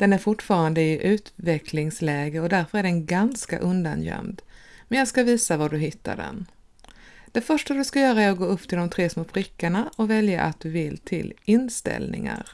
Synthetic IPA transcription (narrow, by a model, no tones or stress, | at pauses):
d̪̥ɛnæɾfʊʈːfɑːɾand̪əɪʔʉ̟ːt̪vɛkʰlɪŋslɛːɡəɔd̪æɾfœɾæɖɛnɡanska̰ʔɵnd̪a̰njœ̰md̪mɛnjɑːɡskaviːsavaɖɵɦɪt̪ʰːa̰ɖɛ̰n | d̪̥ɛfœʂʈad̪ɵskajœːɾaæɾɔɡoːɵpːt̪ʰɪld̪ɔmt̪ʰɾeːsmoːpʰɾɪkːaɳaɔvɛlja̰ʔa̰t̪̚d̪̥ɵvɪlt̪ʰɪlɪnst̪ɛ̰lnɪ̰ŋa̰ɾ